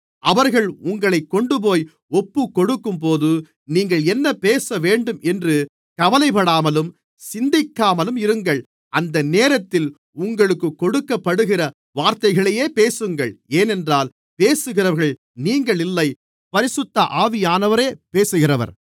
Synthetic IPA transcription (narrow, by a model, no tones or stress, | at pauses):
ʔɐʋɐɾɣɐɭʊŋɡɐɭɐɪkːɔɳɖɯp̬oːj | ɔpːɯkːɔɽɯkːɯmpoːðɯ | niːŋɡɐɭɛnːɐpeːsɐʋeːɳɖɯmɛndrɯ | kɐʋɐlɐɪpɐɽaːmɐlɯm | sɪnd̪ɪkːaːmɐlɯmɪɾɯŋɡɐɭ | ʔɐnd̪ɐneːɾɐt̪ːɪl | ʊŋɡɐɭɯkːɯkːɔɽɯkːɐpːɐɽɯɣɪrɐ | ʋaːɾt̪ɐɪɣɐɭɐjeːpeːsɯŋɡɐɭeːnɛndraːl | peːsɯɣɪrɐʋɐɾɣɐɭ | niːŋɡɐɭɪlːɐɪ | pɐɾɪsɯt̪ːɐʔaːʋɪjaːnɐʋɐɾeːpeːsɯɣɪrɐʋɐ̰ɾ